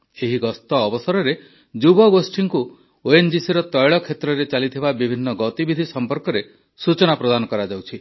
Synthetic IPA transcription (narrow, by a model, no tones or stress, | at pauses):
eɦiɡɔst̪ɔːbɔsɔɾɔɾe | d͡ʒubɔɡosʈʰiŋku | oend͡ʒisiɾɔt̪ɔjɭɔkʰet̪ɾɔɾet͡ʃalit̪ʰibabibʱinːɔɡɔt̪ibid̪ʱisɔmpɔɾkɔɾe | sut͡ʃɔnapɾɔd̪anɔkɔɾad͡ʒawt͡ʃʰi